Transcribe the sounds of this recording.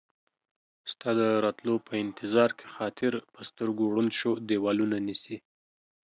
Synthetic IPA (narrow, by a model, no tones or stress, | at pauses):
st̪ɑd̪əɾɑt̪lopʰəɪnt̪ʰɪzɑɾkʰe̥xɑt̪ʰɪɾpəst̪əɾɡoɽunʃod̪ewɑlunanisi